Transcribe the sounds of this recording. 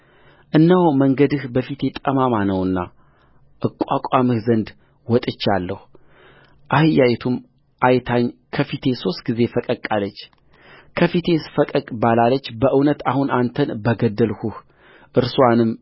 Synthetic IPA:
ʔɨnːawməŋɡəd̪ɨhbəfit̪jet̪ʼəmamanəwɨnːa̰ | ʔɨkʼakʼamɨhzənd̪ | wɔt̪ʼɨt͡ʃːalːəhu | ʔahɨjajt̪ʰum | ʔajt̪ʰaɲkʰəfit̪ʰe̞so̞st̪̚ɡize̞fəkʼəkʼːalət͡ʃː | kʰəfit̪ʰe̞sfəkʼəkʼbalalət͡ʃːbəʔɨwnət̪ahunʔant̪ʰənbəɡəd̪ːəlhuh | ʔɨɾsuanɨmː

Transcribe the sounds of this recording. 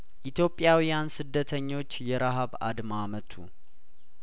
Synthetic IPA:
ʔit̪ʰjo̞pʼːjawijansɨd̪ːət̪ʰəɲːo̞t͡ʃːjɛɾaɦaβa̰d̪mamət̪ʰṵ

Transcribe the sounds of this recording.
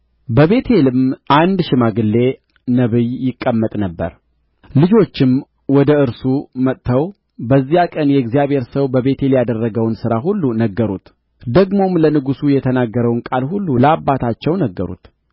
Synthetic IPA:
bəβe̞t̪ʰe̞lɨmʔand̪ʃɪmaɡɨlːe̞ | nəβɨjjɪkʼːəmːət̪ʼnəbːə̰ɾ | lɨd͡ʒo̞t͡ʃːɪm | wɔd̪əɨɾsumət̪t̪ʰːəw | bəzːijakʼənjɛɨɡzijaβhe̞ɾsəwbəβe̞t̪ʰe̞ljad̪ərːəɡəwnsɨɾaɦulːunəɡːəɾṵt̪ | d̪əɡmo̞mlənɨɡusujɛt̪ʰənaɡːəɾəwnkʼalhulːuləabːat̪ʰat͡ʃːɛwnəɡːəɾṵt̪

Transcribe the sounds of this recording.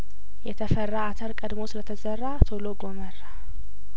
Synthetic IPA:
jɛt̪ʰəfərːaːt̪ʰəɾkʼəd̪mosɨlət̪ʰəzərːat̪ʰoloɡomərːa

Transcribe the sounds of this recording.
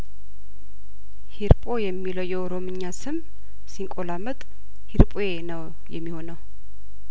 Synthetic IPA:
hiɾpʼo̞jɛmːiləwjɛoɾo̞mɨɲːasɨm | siŋkʼolamət̪ʼ | hiɾpʼojenəw | jɛ̰mːiho̞nəw

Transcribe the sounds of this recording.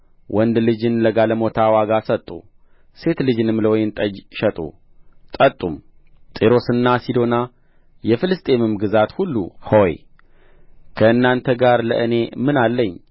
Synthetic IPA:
wʔɔnd̪lɨd͡ʒɨnləɡaləmo̞t̪ʰawaɡasət̪ʼːu | se̞t̪lɨd͡ʒɨnɨmːləwɔjɪnt̪ʼəd͡ʒʃət̪ʼṵ | t̪ʼət̪ʼːum | t̪ʼeɾo̞sɨnːasid̪o̞na | jɛfɨlɨst̪ʼe̞mɨmɡɨzat̪hulːṵhoj̰ | kʰəɨnːant̪ʰəɡaɾlə̰ʔɨne̞mɨnalːəɲː

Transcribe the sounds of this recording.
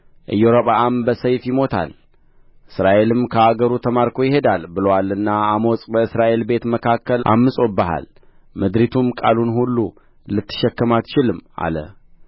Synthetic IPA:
ʔɨjːoɾopʼaambəsəjfjɪmo̞t̪ʰa̰l | ʔɨsɾaʔe̞lɨmkʰəaɡəɾut̪ʰəmaɾkʰo̞jɪhe̞d̪albɨləwalɨnːaːmo̞sʼbəɨsɾaʔe̞lbe̞t̪məkʰakːəlʔa̰mːɨsʼo̞bəɦa̰l | mɨd̪ɾit̪ʰumkʼa̰lunhulːu | lɨt̪ːɨ̥ʃɛkːəmat̪t͡ʃɪlɨma̰lə̰

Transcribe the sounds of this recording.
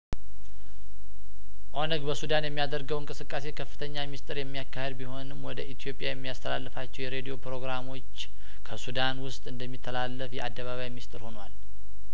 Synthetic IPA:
ʔonəɡbəsud̪anjɛmːijad̪əɾɡəwɨŋkʼɨsɨkʼːase̞kʰəfːɨ̥t̪ʰəɲːamist̪ʼɨɾjɛmːijakːahed̪biho̞nɨmwɔd̪əʔit̪ʰijo̞pʼjajɛmːijast̪ʰəla̰lːɨfat͡ʃːɛwjɛɾe̞d̪io̞pɾo̞ɡɾamo̞t͡ʃː | kʰəsud̪anwʊst̪ʼɨnd̪əmːit̪ʰːəlalːəfjɛʔad̪ːəβaβajmist̪ʼɨɾho̞nwal

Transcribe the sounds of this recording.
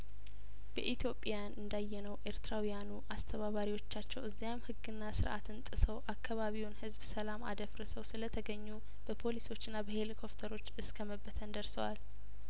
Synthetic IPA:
b̥ə̰ʔit̪ʰjo̞pʼjanɨnd̪ajːɛnəwʔeɾt̪ʰɾawijanuʔast̪ʰəβaβaɾiwo̞t͡ʃːat͡ʃːɛwɨzːijamhɨɡːɨnːasɨɾʔa̰t̪ɨnt̪ʼɨsəwʔakʰːaβaβiwnhɨzbsəlama̰d̪əfɾəsəwsɨlət̪ʰəɡəɲːu | b̥əpʰo̞liso̞t͡ʃːɨnːabəhe̞likʰo̞ft̪ʰəɾo̞t͡ʃːɨskʰəməbːət̪ʰənd̪əɾsəwal

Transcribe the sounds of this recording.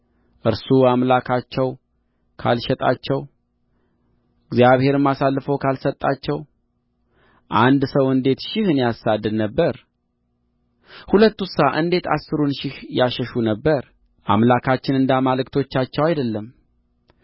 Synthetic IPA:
ʔɨɾsuamlakʰat͡ʃːɛw | kʰa̰lʃɛt̪ʼa̰t͡ʃːɛw | ɨɡzijaβhe̞ɾɨmːasalːɨfəwkʰalsət̪ʼːat͡ʃːɛw | ʔand̪səwɨnd̪e̞t̪ʃɪhɨnijasːad̪ɨd̪nəbːəɾ | hulət̪ːusaʔɨnd̪e̞t̪ʰa̰sːɨɾunʃɪhjaʃəʃunəbːəɾ | ʔa̰mlakʰat͡ʃːɪnɨnd̪amalɨkt̪ʰo̞t͡ʃːat͡ʃːɛwajd̪əlːəm

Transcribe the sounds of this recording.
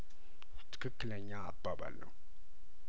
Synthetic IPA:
t̪ʰɨ̥kʰɨkːɨləɲːaːbːaba̰lːə̰w

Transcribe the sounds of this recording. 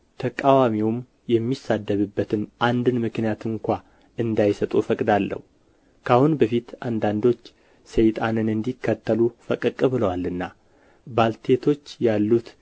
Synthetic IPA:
t̪ʰəkʼawamiwm | jɛmːisad̪ːəβɨbːət̪ʰɨnʔand̪ɨnmɨknijat̪ɨŋkʷa | ɨnd̪ajsət̪ʼufəkʼd̪alːə̰hu | kʰahunbəfit̪and̪and̪o̞t͡ʃː | sejt̪ʼanɨnɨnd̪ikːət̪ʰːəlufəkʼɨkʼːɨbɨləwalːɨnːa | balt̪ʰe̞t̪ʰo̞t͡ʃːjalːut̪

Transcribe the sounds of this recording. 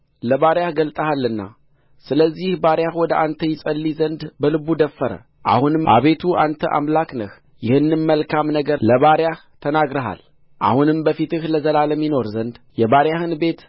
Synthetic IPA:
ləβaɾjahɡəlt̪ʼəhalːɨnːa̰ | sɨləzːihbaɾjahwɔd̪əʔant̪ʰəjɪsʼəlːizənd̪bəlɨβud̪əfːəɾə̰ | ʔa̰hunɨmʔa̰βe̞t̪ʰuʔant̪ʰə̰ʔa̰mlaknəh | jɪhɨnːɨmːəlkʰamnəɡələβaɾjaht̪ʰənaɡɾəɦa̰l | ʔa̰hunɨmbəfit̪ɨhləzəlaləmːino̞ɾzənd̪ | jɛβaɾjahɨnbe̞t̪

